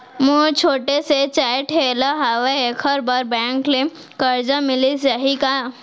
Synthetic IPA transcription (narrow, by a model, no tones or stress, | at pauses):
mũt͡ʃʰoːʈeset͡ʃaːʈʰɦeːlaɦaʋeekʰəɾbaɾbɛ̃ːŋkle | kəɾd͡ʒãmɪlisaɦika